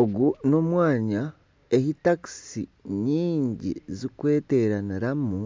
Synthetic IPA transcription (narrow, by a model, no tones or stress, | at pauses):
oɡuno̞mwaːɲa | e̞hitaksḭɲiːɲɟḭzikwe̞ːte̞ɾaniɾamu